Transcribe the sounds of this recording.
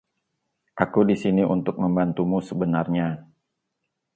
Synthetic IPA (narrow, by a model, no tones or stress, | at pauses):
ʔakudisiniʔṵnt̪ʊk̚məmbant̪umusəbənarɲa